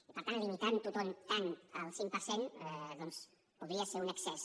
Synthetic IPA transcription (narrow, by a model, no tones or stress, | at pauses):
ipəɾt̪anlimit̪ant̪ut̪ɔmt̪anəlˠsiŋpəɾsenɛðɔns | puðɾiəseɾunəksɛs